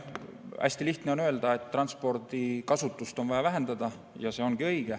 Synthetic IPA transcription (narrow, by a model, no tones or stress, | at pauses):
æ̰sʲt̪iliht̪ne̞o̞nø̞eld̪̥ɑe̞t̪ːrɑnspo̞rd̪̥ikɑsut̪ːˑust̪o̞nvɑjɑvæɦe̞nd̪̥ɑd̪̥ɑ | jɑse̞ːo̞nɡ̥iɤ̞jɡ̥e